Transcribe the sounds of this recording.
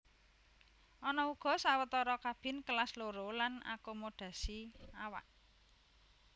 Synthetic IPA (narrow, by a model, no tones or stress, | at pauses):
ʔɔnɔuɡ̥ɔ̤sawət̪ɔɾɔkab̥ɪ̤nkəlasloɾolana̰komoɖ̥a̤siawa̰ʔ